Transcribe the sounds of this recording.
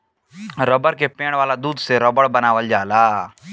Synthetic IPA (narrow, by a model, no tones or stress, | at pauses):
ɾəbəɾkepẽːɽ̃ʋaːlad̪uːd̪seɾəbəɽbɐnaːʋəld͡ʒaːlaː